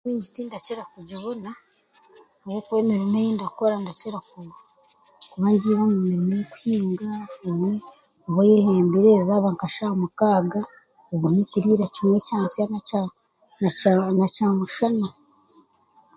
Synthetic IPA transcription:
kiːɲɟitiːndaceɾakuɟaβona | oβokuβeːmiɾimejiːndakoɾandat͡ʃiɾaku | kuβaɲɟiɾomumiɾimooku̥hiːŋɡaome | oβojeheːmbiɾeːzaːβaːŋkaʃamukaːɡa | oβunikuɾiːɾacimwecaːnsiana | nacaːmuʃana

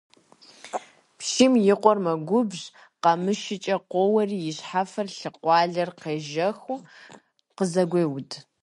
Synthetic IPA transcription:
pʃimjɪqʷɔrmɐɡʷʊbʑ | qɑmɨʃɪt͡ʃʼɐqʷowɐriːjɪɕħafɐrɬɨqʷʼɑːɮɐrqeːʒɐxu | qəzɐɡʷeːwʊd

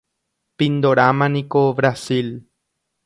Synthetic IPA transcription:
pind̪oɾamanĩkoβɾasil

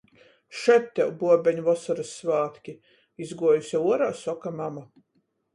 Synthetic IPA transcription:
ʃɛt̪ʲːɛwbuɔbʲɛɲuvɔsɔɾɨsːvaːt̪kʲi | izɡuɔjusʲauɔɾaːsɔkamama

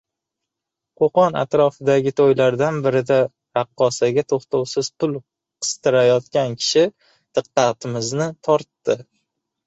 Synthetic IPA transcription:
qʰoqɒna̰t̪ɾɒfɪd̪aɡʲɪt̪ʰojlaɾd̪anbɪɾɪd̪a | ɾɑqːɒsaɡʲat̪ʰoχt̪ʰowsɪz̥pʰʊlˠ | qʰɨ̥st̪ɪɾajɒt̪kʲankʲʰɪ̥ʃɪ | d̪̥ɨqːɑt̪ʰɪmɪznɪt̪ʰɒɾt̪ːɪ

